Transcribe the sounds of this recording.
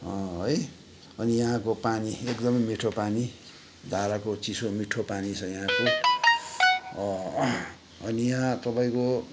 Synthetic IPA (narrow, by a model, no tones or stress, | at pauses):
ʌ̃oj | ʌnijʌɦãkopaniekd̪ʌmʌjmiʈʰopani | d̪ʱaɾakot͡sisomiʈʰopanisʰʌjaɦãko | ʌnijʌɦãt̪ʌpaĩko